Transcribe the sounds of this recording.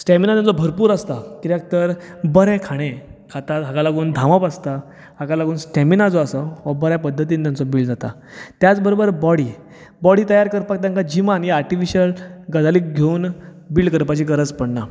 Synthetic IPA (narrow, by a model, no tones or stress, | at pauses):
sʈɛminajãnt͡sɔbʱəɾpuːɾast̪akiɾjak̚t̪əɾbəɾɛ̃kʰaɽ̃ẽkʰat̪at̪ɦakalaɡuːnd̪ʱãʋapast̪a | ɦakalaɡuːnsʈɛminad͡zɔasəʋabəɾjãpəd̪ʱːət̪̬iːnt̪jant͡sɔbiːɭd͡zat̪a | t̪jat͡sbəɾobəɾbɔɽi | bɔɽiːt̪əjaɾkəɾpak̚t̪̬jãŋkad͡ʑimanjiaɾʈifiɕəlɡəd͡zalik̚ɡʱeuːn | biːɭɖkəɾpat͡ɕikəɾət͡spəɽna